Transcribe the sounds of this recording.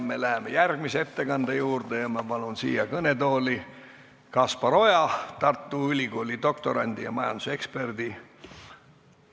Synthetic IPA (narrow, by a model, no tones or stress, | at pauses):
me̞læɦemejærɡ̥miseet̪ːe̞kɑnd̪̥ejuːrd̪̥e̞jɑmɑpɑnunsḭːjɑkɤne̞d̪o̞ːli | kɑspɑɾo̞jɑt̪ɑrt̪ːuylʲiɡo̞ːlʲid̪̥o̞k̚t̪o̞ɾɑ̰nʲd̪̥ijɑ̰mɑjɑ̰nd̪̥u̥se̞kspe̞rd̪̥i